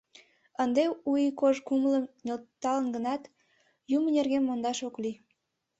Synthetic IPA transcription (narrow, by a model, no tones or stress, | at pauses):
ənd̪eujikoʒkumləmnʲelt̪ːɑlənɡənɑt̪ | jumənerɣemːond̪ɑʃokli